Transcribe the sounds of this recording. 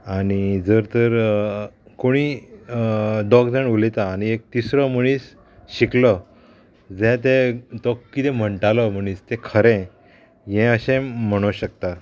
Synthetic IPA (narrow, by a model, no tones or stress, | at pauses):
aɽ̃id͡zəɾt̪əɾ | koɽ̃i | ɖɔkd͡zəɳulet̪aːɽ̃iek̚t̪isɾəməɽ̃iːs | ɕiklə | d͡zɛ̃t̪ɛ̃t̪ɔkkːit̪ɛm̤əɳʈaləm̤əɽ̃iːst̪ɛ̃kʰəɾɛ̃ | jɛ̃əɕɛ̃m̤əɽ̃oɕək̚t̪a